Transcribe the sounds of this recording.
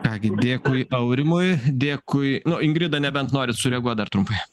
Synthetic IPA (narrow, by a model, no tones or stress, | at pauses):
kɑːɡʲɪd̪ʲeːkʊɪʔɐʊɾʲɪmʊjd̪ʲeːkʊɪnʊɪŋɡɾʲɪd̪ɐnʲɛbʲɛnt̪noːɾʲɪsʊɾʲɛɡuɔt̪d̪ɐrɾt̪ɾʊmpɐɪ